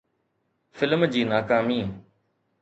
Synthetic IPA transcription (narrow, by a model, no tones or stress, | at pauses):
fɪlmd͡ʑiːnaːkaːmiː